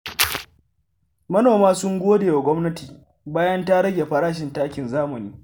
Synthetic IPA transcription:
mɐ˦noː˨maː˦sʊ˦ŋɡʷoː˦deː˨ja˨ɡʷɔ˦mnɐ˦tiː˨ | baː˦jɐ˦nta˦ɽɐ˦ɡʲe˨ɸɐ˦ɽaː˦ʃ̬ɪ˨ntaː˦kʲɪ˨nzaː˦mɐ˨niː˦

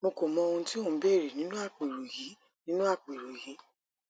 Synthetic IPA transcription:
mo˧ko˨mɔ̃˧o˧ũ˧ti˦õ˦˨˧bɛ˦˨ɾe˨nĩ˨˦nũ˦a˦˨k͡pi˨ɾo˨jĩ˨˦ | nĩ˦nũ˦a˦˨k͡pi˨ɾo˨jĩ˨˦

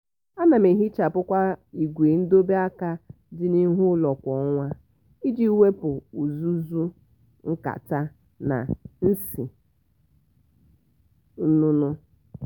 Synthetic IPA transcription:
a˦na˨me˨ɦi˦t͡ʃa˨pʊ˦kʷa˦i˨ɡʷe˨˦n̩˦do˦be˦a˦ka˦ | dɪ˦ni˦ɦʊ˦lɔ˨kʷɔ˨˦ŋʷa˦ | i˦d͡ʒi˦we˦pʊ˨u˨zu˦zu˦ | ŋ̩˦ka̰˨ta˦ | na̰˨n̩˦sḭ˨˦ | nu˦nʊ˦

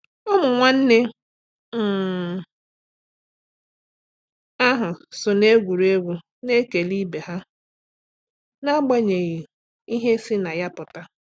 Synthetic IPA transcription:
o˦mʊ˨ŋʷa˦n̩˦ne˦ | m̩˨ | a˦ɦʊ˨sʊ˨ne˦ɡʷu˨ɾe˦ɡʷu˦ | ne˦ke˨li˦be˨ɦa˦ | na˦ɡ͡ba˦ɲe˨ɣi˨ | i˦ɦe˦si˦na˨ja˦pʊ˨ta˦

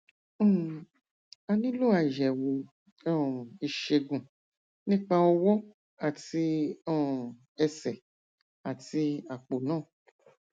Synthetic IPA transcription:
a˧nĩ˦lo˦˨a˨ʒɛ˨wo˧ | ɔ̃˦˨i˧ʃe˧ɡũ˨ | nĩ˦k͡pa˧ɔ˧wɔ˦ | a˨ti˧ɔ̃˦˨ | ɛ˧sɛ˨ | a˨ti˧a˨k͡po˨nãː˦˨

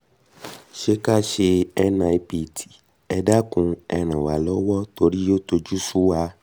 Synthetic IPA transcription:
ʃe˦ka˦ʃe˧ɛ˧nã˨i˧pi˨ti̥˨ | ɛ˧da˦kũ˧ɛ˧ɾ̃ã˨wa˨lɔ˦wɔ˦to˧ɾi˦jo˦to˧d͡ʒu˦su˦wa˧˦

